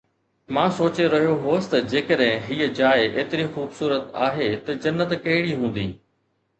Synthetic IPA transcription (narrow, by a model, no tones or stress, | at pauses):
mãːsoːt͡ɕeɾɐɦijoɦʊəsɪ̥t̪ɐd͡ʑeːkəɗɦɪ̃ɦiːəd͡ʑaːɪʔeːt̪ɪɾixuːbsuːɾət̪aːɦet̪ɐd͡ʑɐnːət̪kɐɦɪɽiɦũːn̆d̪ḭː